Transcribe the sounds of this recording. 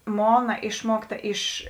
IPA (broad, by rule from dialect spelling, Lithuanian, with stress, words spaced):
ˈmoːnɐ ˈɪʃmuɔkˌtɐ ɪʃ